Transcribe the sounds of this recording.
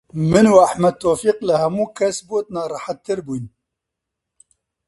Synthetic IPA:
mɨnuaħmɐd̪̚t̪ʰːoːfiːqlɨhɛmuːkʰɛsbot̪̚nɑːrˤɑħat̪ʰːɨɾbuːjn

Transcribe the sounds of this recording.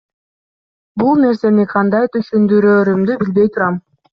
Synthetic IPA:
bulˠne̞ɾse̞niqʰɑnd̪ɑjt̪ʰyʃynd̪yɾøːɾymd̪ybilbe̞jt̪ʰuɾɑm

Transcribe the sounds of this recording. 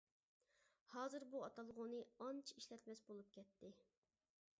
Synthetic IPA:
hɑːzɨɾbuɑt̪ʰɑlˠʁunɨɑnt͡ʃʰi̥iʃlɛt̪mɛsbolˠup̚kʲʰɛt̪ːɪ

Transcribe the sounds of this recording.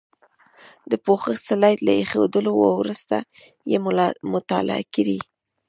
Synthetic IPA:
d̪əpoxəxsalɑjt̪laexed̪əlowawɾust̪a | jemʊt̪ɑla̰a̰kiɾi

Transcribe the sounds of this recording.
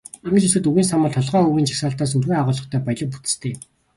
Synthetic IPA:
amɘ̆t͡ɕisɘ̆t̪uɣiːns̬amə̆ɮt̪ʰɔɮʁœːɵɣʲiːnt͡ɕʰḁksaːɬt̪aːs̬urɣuːaʁʊːɮɞ̆χt̪ʰœːpajɮə̆k̚put͡s̪ɘ̥̆st̪ʰeː

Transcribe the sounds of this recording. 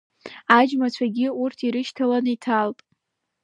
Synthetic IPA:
ad͡ʒmat͡ɕʷʰaɡʲiurtʰiɾɨʃtʰalanɨitʰaltʼ

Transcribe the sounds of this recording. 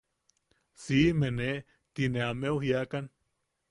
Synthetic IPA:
simene | t̪ineameuhjakan

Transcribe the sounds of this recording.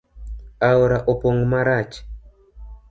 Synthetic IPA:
aɔɾaʔɔpɔŋɡmaɾat͡ʃi̥

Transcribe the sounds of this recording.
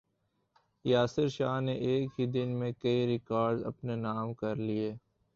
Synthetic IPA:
jaːsɪɾʃaːɦneʔeːkɦid̪ɪnmẽkɐiɾɪkaːɾɖzɐ̰pnenaːmkɐɾlieː

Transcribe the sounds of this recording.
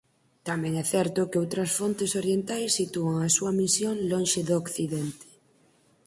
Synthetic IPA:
t̪amẽŋɛθɛɾt̪okeowt̪ɾɐsfont̪esoɾjent̪ajsːit̪uaŋasuamisjõnlõnʃeðokθiðent̪e̥

